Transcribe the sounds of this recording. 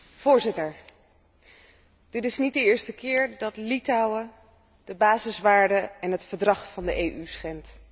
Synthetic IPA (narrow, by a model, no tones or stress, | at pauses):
v̥ʊːɹzɪtəɹ | d̥ɪtɪsnit̚dəɪːɹstəkɪːɹdɑtlitawə | d̥əbaːzɪsʋaːɹdəɛnɦətfəɹdrɑχfɑndəʔejʔysχɛnt